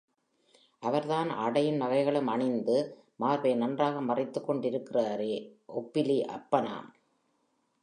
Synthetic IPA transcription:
ʔɐʋɐɾðaːnɐɽɐjɪnʋɐɣɐɪɣɐɭɯmɐɳɪnd̪ɯ | maːɾʋɐɪnɐndraːɣɐmɐrɪt̪ːɯkːɔɳɖɪɾɯkːɪraːɾeːʔɔpːɪliʔɐ̰pːɐna̰ːm

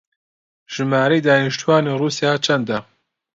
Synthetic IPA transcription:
ʒ̥ɨmaːɾejd̪aːniʃt̪uwaːneːruːsijaːt͡ʃʰɐnd̪ɐ

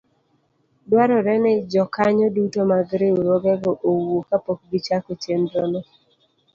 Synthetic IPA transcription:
dwaɾɔɾɛnɪd͡ʒɔkaɲɔdutomaɡɾeoɾɔɡɛɡɔʔowokapok̚ɡit͡ʃakot͡ʃendɾɔnɔ

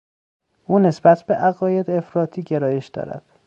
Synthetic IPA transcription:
ʔuːne̞sbæt̪ʰb̥e̞ʔæɣɒːje̞d̪e̞fɾɒːt̪ʰiːɟe̞ɾɒːje̞ʃd̪ɒ̰ːɾæ̰d̪̥

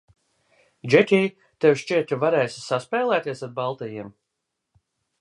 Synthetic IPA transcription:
d͡ʒɛt̪ʲiː | t̪evʃt͡ʃiɛt̪vaɾɛːssaspɛːlˠæːt̪iɛsaɾ̚balˠt̪ɛjiɛm

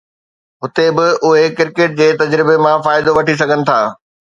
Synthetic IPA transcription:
ɦʊt̪ebɪʊɦekɪɾkeːʈ̚d͡ʑeːt̪ɐd͡ʑɾɪbemãfaːɪd̪oʋɐʈis̬ɐɡʱənɪ̆t̪ʰaː

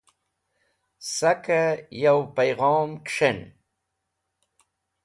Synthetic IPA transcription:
sakajawpajɣɑːmkʂen

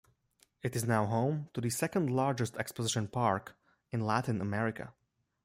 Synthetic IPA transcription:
ɨɾɨznaʊɦõʊ̃mtuðɨsɛkə̃ndlɑɹd͡ʒɨstɛkspəzɪʃə̃npʰɑɹk | ɨ̃nlæɾɪ̃nəmɛɹɪkə̰

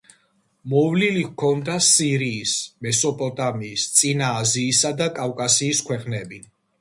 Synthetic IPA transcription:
mɔvlilikʰɔnd̪asiɾiːsmɛsɔpʼɔt̪ʼamiːst̪sʼinaːziːsad̪akʼavkʼasiːskʰwɛqʼnɛbi

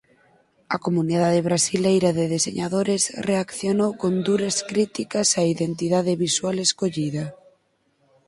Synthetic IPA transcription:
a̰komuniðaðeβɾasilejɾaðeðesḛɲaðoɾesreakθjonowkond̪uɾaskɾit̪ikasaiðent̪iðaðeβiswaleskoʎiða

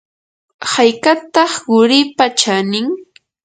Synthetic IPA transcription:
hajkat̪ɑχɢʊɾɪpat͡ʃanɪŋ

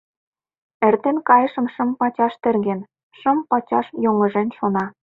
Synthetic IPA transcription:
ĕrt̪enkɑjəʃə̆mʃə̆mpɑt͡ɕɑʃt̪ĕrɣen | ʃə̆mpɑt͡ɕɑʃjoŋə̆ʒenʃonɑ

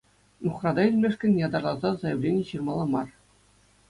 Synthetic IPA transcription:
nuχrɑd̪ɑilʲmʲeʂkʲɘ̆nʲjɑd̪ɑrlˠɑzɑzɑjɘ̆vlʲenʲĕɕɯrmɑlˠɑmɑr

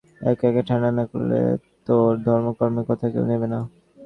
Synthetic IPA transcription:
ɛ̰kɛkeʈʰananako̰ɾlḛt̪oɾd̪ʱɔɾmokoɾmekɔt̪ʰakḛwnebena

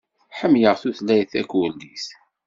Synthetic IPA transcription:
ħəmjəʁθuθlæjθækːwəlːis

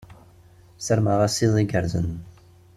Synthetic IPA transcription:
səɾməʁasiðˤiɡəɾzə̰n

